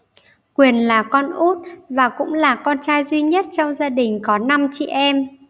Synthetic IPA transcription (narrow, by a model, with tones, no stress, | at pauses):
kwi˨˩ənlaː˨˩kɔ˧nʔu˦˥t̚vaː˨˩kʊ̰˧˥ŋ͡mlaː˨˩kɔ˧nt͡ɕaː˧jzwi˧ɲə˦˥t̚t͡ɕɔ˧wŋ͡mzaː˧ɗï˨˩ŋ̟kɔ˨˦na˧mt͡ɕḭ˧˨ʔɛ˧m